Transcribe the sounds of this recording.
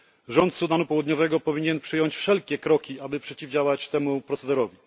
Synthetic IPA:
ʐɔnt̪sud̪anupɔwud̪ɲɔvɛɡɔpɔvʲiɲɛnpʂɘjɔɲt͡ɕfʂɛlkʲɛkɾɔkʲiabɘpʂɛt͡ɕivd͡ʑawat͡ɕt̪ɛmupɾɔt̪sɛd̪ɛɾɔvʲi

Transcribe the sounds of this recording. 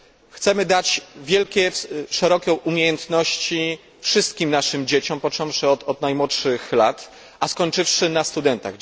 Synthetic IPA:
xt̪sɛmɘd̪at͡ɕvʲjɛlkʲɛʂɛɾɔkʲɛʔumʲjejɛnt̪nɔɕt͡ɕi | fʂɘst̪̚kʲimnaʂɘmd͡ʑet͡ɕɔmpɔt͡ʂɔ̃w̃ʂɘɔd̪ɔd̪najmwɔtʂɘxlat̪ | ʔaskɔɲt͡ʂɘfʂɘnast̪ud̪ɛnt̪a̰ɣ

